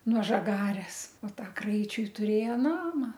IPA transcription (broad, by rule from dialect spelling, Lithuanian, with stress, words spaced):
nuɔ ʒɐˈɡɑːrʲɛs oː ˈtɐ ˈkrɐɪt͡ʃʲʊɪ tʊrʲˈeːjoː ˈnɑːmɐ